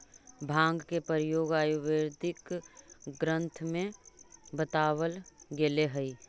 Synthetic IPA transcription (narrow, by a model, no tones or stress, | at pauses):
bʱãːŋɡkepəɾɪjoːɡaːjuʋeɾd̪ɪk | ɡɾə̃nt̪ʰmẽbət̪aːwəlɡeleɦəi